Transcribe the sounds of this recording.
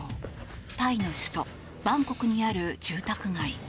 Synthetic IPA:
t̪aino̞ɕɨ̥t̪o̞ | b̥ãŋko̞kɯ̟ɲ̟iaɾɯ̟d͡ʑɨːt̪akɯ̟ŋai

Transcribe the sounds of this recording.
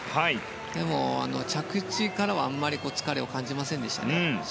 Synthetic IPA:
hai | d̪e̞mo̞a̰no̞̰t͡ɕakɯ̟t͡ɕikaɾaβaamːaɾʲiko̞ːt͡sɨ̥kaɾe̞okãɲ̟d͡ʑimasẽnd̪e̞ɕi̥t̪a̰ne

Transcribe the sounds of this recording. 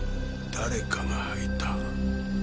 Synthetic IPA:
t̪aɾekaŋahait̪a

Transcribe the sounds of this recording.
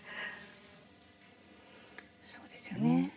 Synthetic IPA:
soːd̪̥esɨjone

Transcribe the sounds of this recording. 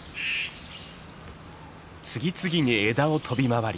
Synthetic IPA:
t͡sɨɡʲit͡sɨɡʲiɲ̟ie̞d̪ao̞t̪ʰo̞bʲimaβaɾʲi

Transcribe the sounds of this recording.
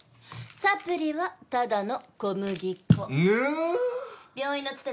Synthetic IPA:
sapɯ̟ɾʲiβat̪ad̪ano̞ko̞mɯ̟ɡʲikːo | bʲjoːĩnːot͡sɨ̥t̪e

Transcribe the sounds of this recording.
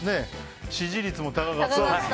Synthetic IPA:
ne̞ | ɕiʑiɾʲit͡sɨmo̞t̪aɡaɡaha

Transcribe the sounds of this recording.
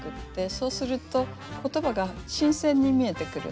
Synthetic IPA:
kɯ̟t̪ːe̞so̞ːsɨɾɯ̟t̪o̞ | ko̞t̪o̞baɡaɕĩɰ̃sẽ̞ɲ̟ːimʲie̞t̪e̞kɯ̟ɾɯ̰

